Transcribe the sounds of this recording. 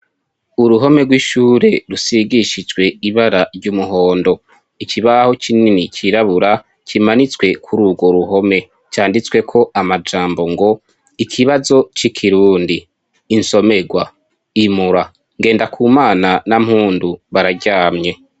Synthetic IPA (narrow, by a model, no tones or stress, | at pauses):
uɾuɦo̞me̞ɡwiʃuːɾe̞ɾusiɡiʃid͡ʒwe̞iβaɾaɾɟumuɦo̞ːndo̞ | ikʰiβahot͡ʃininit͡ʃiɾaβuɾa | kimanit͡swe̞kʰuɾuːɡo̞ɾuɦo̞me̞ | t͡ʃaːndit͡swe̞kʰo̞ʔamad͡ʒaːmbo̞ŋɡo̞ | ikʰiβazo̞t͡ʃikʰiɾuːndiː | nso̞me̞ɡwa | imuɾa | ŋɡe̞ːndakʰuːmaːnanam̥huːnduβaɾaɟaːmɲe̞